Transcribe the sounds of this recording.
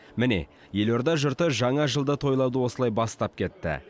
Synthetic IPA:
mɪne̞̰ | je̞lo̞ɾd̪ɑʒʊɾt̪əʒɑɴɑʒəlˠd̪ət̪ʰo̞jlˠɑwd̪əwo̞səlˠɑjbɑst̪ɑp̚kʲʰe̞t̪ːɪ̰

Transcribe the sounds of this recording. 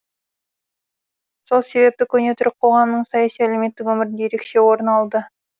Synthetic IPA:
so̞lˠse̞βe̞p̚t̪ɪkʲʰɵne̞t̪ʰʏɾɪqʰo̞ʁɑmnəɴsɑjɑsijæle̞me̞t̪ːɪkwɵmɪɾɪnd̪ejeɾe̞kʃe̞wo̞ɾənɑlˠd̪ə

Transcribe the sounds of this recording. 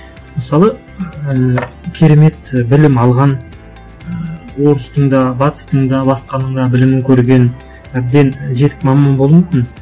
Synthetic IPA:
məsɑlˠə | kʲʰeɾe̞me̞t̪bɪlɪmɑlˠʁɑn | wo̞ɾəst̪əɴd̪ɑbɑt̪ə̥st̪əɴd̪ɑbɑsqɑnəɴd̪ɑbɪlɪmɪŋkʲʰɵɾɡʲe̞n | æb̚d̪e̞nʒe̞t̪ɪ̥kmɑmɑnbo̞lˠmukʲɪn

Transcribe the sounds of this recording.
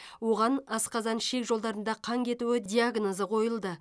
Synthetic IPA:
wo̞ʁɑnɑsqɑzɑnʃe̞kʒo̞lˠd̪ɑɾənd̪ɑqʰɑŋkʲʰe̞t̪uwɪd̪ʲiaɡno̞zəqʰo̞jəlˠd̪ə

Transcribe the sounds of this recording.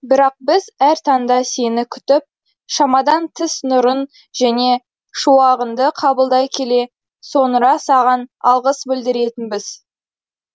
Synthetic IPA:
bɪɾɑq̚bɪzæɾt̪ʰɑnd̪ɑse̞nɪkʲʰʏ̥t̪ɪp̚ | ʃɑmɑd̪ɑnt̪ʰɪsnʊɾən | ʒæne̞ | ʃuɑʁənd̪əqʰɑbəlˠd̪ɑjkʲʰe̞le̞ | so̞nɾɑsɑʁɑnɑlˠʁəsbɪld̪ɪɾe̞t̪ɪnbɪz̥

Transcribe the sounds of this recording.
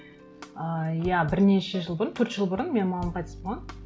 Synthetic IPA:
əjæbɪɾne̞ʃeʒəlˠbʊɾənt̪ʰɵɾt̪ʒ̥əlˠbʊɾənme̞nmɑlˠɑmqʰɑjt̪ʰesboʁɑm

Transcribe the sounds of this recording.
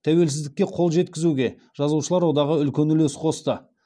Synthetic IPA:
t̪ʰæwe̞lsɪzd̪ɪkʲːe̞qʰo̞lˠʒe̞t̪kʲɪzuɡʲe̞ | ʒ̥ɑzuʃəlˠɑɾwo̞d̪ɑʁəʏlkʲe̞nʏlesqʰo̞st̪ə

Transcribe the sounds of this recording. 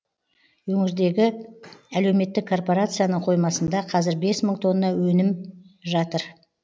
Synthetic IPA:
wɵŋɪɾd̪e̞ɡʲɪæle̞wme̞t̪ːɪkʰːo̞rpo̞ɾat̪sɨjanəɴqʰo̞jmɑsənd̪ɑqʰɑzɪɾbe̞sməɴt̪ʰo̞nːənɑwɵnɪmʒɑt̪əɾ

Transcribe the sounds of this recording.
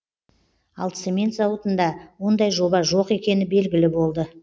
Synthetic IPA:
ɑlˠt̪semʲe̞nt̪zɑwət̪ənd̪ɑwo̞nd̪ɑjʒo̞bɑʒo̞qe̞kʲe̞nɪbe̞lɡʲɪlɪbo̞lˠd̪ə

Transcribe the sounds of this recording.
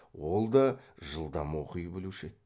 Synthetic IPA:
wo̞lˠd̪ɑʒəlˠd̪ɑmwoqəjbɪluʃe

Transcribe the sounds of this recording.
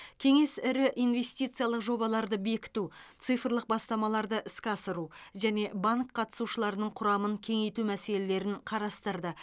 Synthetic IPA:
kʲʰe̞ŋe̞sɪɾɪʔijnve̞st̪ijt̪sɨjalˠəqʒo̞bɑlˠɑɾd̪əbe̞kʲɪ̥t̪ut̪sɨjfərlˠəq̚bɑst̪ɑmɑlˠɑɾd̪əʔɪskʲɑsəɾuʒæne̞baŋkʰːɑt̪ə̥suʃəlˠɑɾənəɴqʰʊɾɑməŋkʲʰe̞ŋe̞jt̪umæse̞le̞le̞ɾɪnqʰɑɾɑst̪əɾd̪ə

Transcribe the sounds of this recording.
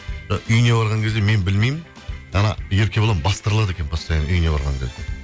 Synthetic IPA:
ʒɑʔʏjnebɑɾʁɑŋkʲʰe̞zd̪eme̞nbɪlmejmɪn | ɑnɑ̰jeɾkʲe̞boɑmbɑst̪əɾlˠɑd̪ekʲe̞nbɑst̪ɑjenʏjne̞bɑ̰ɾʁɑ̰ŋkʲʰe̞zd̪e̞

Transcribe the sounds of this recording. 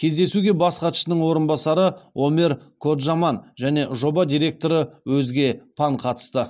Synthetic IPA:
kʲʰe̞zd̪e̞suɡʲe̞bɑsqʰɑt̪ə̥ʃənəŋwo̞ɾənbɑsɑɾəomeɾkʰo̞t̪ʒɑmɑnʒæne̞ʒo̞bɑd̪ijɾe̞k̚t̪o̞ɾəwɵzɡʲe̞pʰɑɴqʰɑt̪ə̥st̪ə

